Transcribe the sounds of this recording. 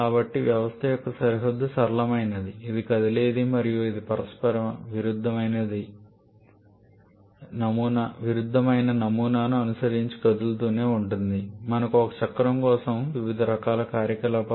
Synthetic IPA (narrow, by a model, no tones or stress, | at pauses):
kaːbɐʈːiʋjɐʋɐst̪ʰɐjɔkːɐsɐɾiɦɐd̪ːusɐɾlɐmɐjnɐd̪iːd̪ikɐd̪ileːd̪imɐɾijuid̪ipɐɾɐspɐɾɐmʋiɾud̪ʱːɐmɐjnɐd̪i | nɐmuːnɐʋiɾud̪ʱːɐmɐjnɐnɐmuːnaːnuɐnusɐɾiɲt͡ʃi̥kɐd̪ult̪̬uːne̞ːuɳʈund̪imɐnɐkuɔkɐt͡ʃɐkːɐɾɐmkɔːsɐmʋiʋid̪ʱɐɾɐkaːlɐkaːɾjɐkɐlɐp